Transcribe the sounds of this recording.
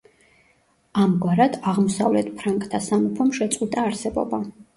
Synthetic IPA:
amɡwaɾad̪̥aʁmɔsavlɛt̪ʰpʰɾaŋkʼt̪ʰasamupʰɔmʃɛt̪sʼit̪ʼaːɾsɛbɔ̰ba

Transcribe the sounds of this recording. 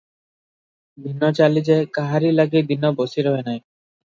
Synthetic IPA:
b̪inːɔt͡ɕalid͡ʑekaɦaɾilaɡid̪inːɔbosiɾɔɦenaj

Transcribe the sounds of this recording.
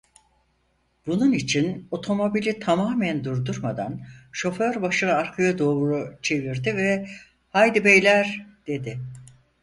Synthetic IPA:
b̥ununit͡ʃʰino̞t̪ʰo̞mo̞bilʲit̪ʰamaːmænd̪uɾd̪uɾmad̪anʃo̞føɾbaʃɯnaɾkʰajad̪o̞ːɾut͡ʃʰe̞viɾd̪ivɛ | hajd̪ibejlʲæɾd̪̥e̞d̪ɪ

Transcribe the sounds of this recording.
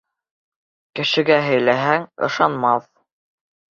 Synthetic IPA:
kɘ̆ʃɘ̆ɡæɦɘ̆jlæɦæŋɤ̰̆ʃɑnmɑθ

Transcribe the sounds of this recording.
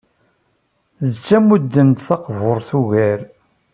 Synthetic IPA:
ðət͡sːæmud̪ːənt̪θɑqvoɾˤθuʝæɾ

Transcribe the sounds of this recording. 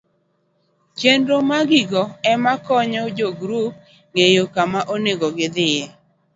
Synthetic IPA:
t͡ʃendomaɡɪɡɔɛmakɔɲɔd͡ʒoɡɾup̚ | ŋejokamaʔoneɡɔɡɪd̪ɪje

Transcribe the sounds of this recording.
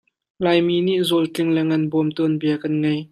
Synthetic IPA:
laːjmiːniʔzɔltɪŋlɛŋɐnbɔmt̪ɔnbiɐkɐnŋej

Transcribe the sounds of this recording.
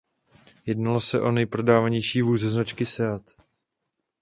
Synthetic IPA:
jɛdnalosɛʔo̞nɛjpɾo̞daːvaɲejʃiːvuːzɛznat͡ʃkɪsɛat̪

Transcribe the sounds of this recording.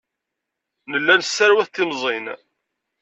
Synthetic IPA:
nəlːænsːæɾwæθt̪ːɪmzˤin

